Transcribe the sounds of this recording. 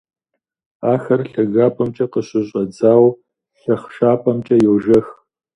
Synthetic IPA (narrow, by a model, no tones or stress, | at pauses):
aːxɐrɬɐɣaːpʰʼɐmt͡ʃʼɐqəɕʼɪɕʼɐd͡zaːw | ɬɐχʃaːpʰʼɐmt͡ʃʼɐjowʒɐx